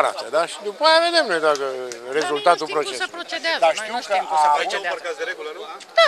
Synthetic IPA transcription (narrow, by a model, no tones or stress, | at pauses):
ɾa̰t̪əd̪aʃid̪upajave̞d̪e̞mnojd̪akəɾe̞zult̪at̪upɾo̞t͡ʃet͡ʃead̪aʃt̪iwkəʔa